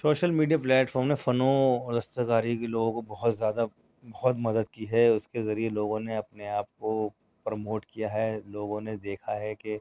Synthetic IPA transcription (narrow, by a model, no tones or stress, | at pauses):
soːʃəlmiːɖijaplɛːʈfɔːɾmnefɐnõlɐst̪əkaːɾikeloːɡõkobɐɦʊt̪zjaːd̪a | bɐɦʊt̪mɐd̪əd̪kiɦɛʊskezɐɾieloːɡõneɐpneaːp̚ko | pɾɐmoːʈkijaɦɛloːɡõned̪eːkʰaɦɛke